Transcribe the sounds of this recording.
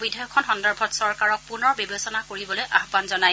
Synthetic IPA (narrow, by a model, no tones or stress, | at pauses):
bidʱajɔkʰɔnxɔndɔɹbʱɔtsɔɹkaɹɔk̚punɔɹbibesɔnakoɹibɔlojʔaɦbanzɔnaj